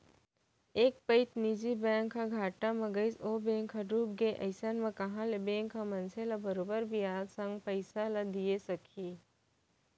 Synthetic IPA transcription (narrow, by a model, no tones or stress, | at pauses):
eːk̚pəɪt̪nid͡ʒibɛ̃ːŋkːaɡʱaːʈamɐ̃ɡəɪsoːbẽːŋkʰːaɖuːb̚ɡeʔɐ̰ɪsanmẽkɐɦãlebẽːŋkːamɐ̃nselabɐɾoːbəɾbʱiaːd̪sɐ̃ŋɡpɐɪsalad̪iesɐkʰiː